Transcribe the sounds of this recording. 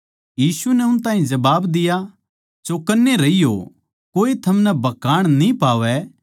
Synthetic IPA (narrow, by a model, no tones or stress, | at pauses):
jiːsunɛʊnt̪aːɦĩd͡ʒɐbaːbd̪ɪja | t͡ʃokɐnːeɾɐijo̰ | koːit̪ʰɐmnɛbɐkaːɽ̃nĩpaːʋɛ